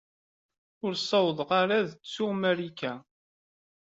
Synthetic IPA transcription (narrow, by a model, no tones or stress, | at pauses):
ʊɾsˤɑwðˤʁaɾaðət͡sːʊʁmæɾikæ